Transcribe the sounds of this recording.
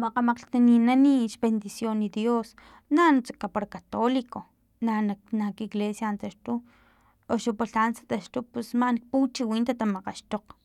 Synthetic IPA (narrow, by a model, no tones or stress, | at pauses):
maqamaqɬt̪aninaniʃbend̪isjonːid̪jos | nanut͡sakapaɾakat̪oliko | nanak̚nakiɡlesjant̪aʃt̪u | oʃupaɬansḁt̪aʃt̪upesmanik̚put͡ʃiwiːnt̪at̪amaqaʃt̪oq